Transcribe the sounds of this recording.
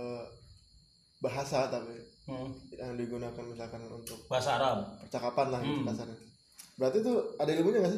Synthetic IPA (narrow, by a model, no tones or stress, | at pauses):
ə | baɦasat̪api | adiɡunakanmisalkanṵnt̪ʊk̚baɦasaɾampərt͡ʃakapanlahɡit̪ubaasaɾḁ | bəɾart̪it̪ʊadaɡabuɲabasa